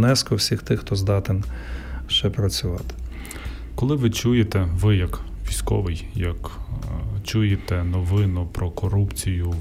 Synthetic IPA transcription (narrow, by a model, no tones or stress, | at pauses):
nɛskɔwsʲixt̪ɪxt̪ɔzd̪ɑt̪ɪnʃt͡ʃɛpɾɐt͡sʲʊʋɑt̪ɪ̥ | kɔlˠɪʋɪt͡ʃujet̪ɛʋɪjɐkʋʲijsʲkɔ̰ʋɪjjɐk | t͡ʃujet̪ɛnɔʋɪnʊpɾɔkɔɾupt͡sʲijʊ